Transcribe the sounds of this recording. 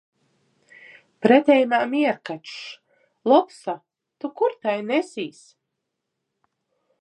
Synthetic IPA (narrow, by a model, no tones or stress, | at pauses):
pɾɛt̪ʲɛjmaːmiɛɾkat͡ʃʃ | lˠɔpsa | t̪ukuɾt̪ajnɛsʲiːs